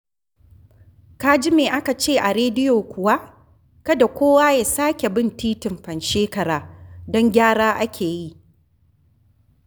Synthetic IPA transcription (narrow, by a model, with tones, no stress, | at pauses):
ka˦d͡ʒɪ˦meː˨ʔa˦ka˨t͡ʃeː˦˨ʔa˨ɾeː˦dɪ˦joː˨kʷʊ˨wa˦ʔ | kɐ˦da˨kʷoː˦waː˦jaː˨saː˦kʲe˨bɪ˦˨ntiː˦tɪ˨mɸɐ˨nʃeː˦kɐ˨ɽaː˨dɔ˦ŋɡʲaː˦ɽaː˦ʔa˦kʲʰeː˨ji˦ʔ